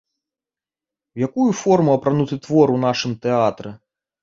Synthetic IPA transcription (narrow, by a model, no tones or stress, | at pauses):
wjakujufɔrmuɐpɾanut̪ɨt̪vɔɾunaʂɨmt̪ɛat̪ɾɛ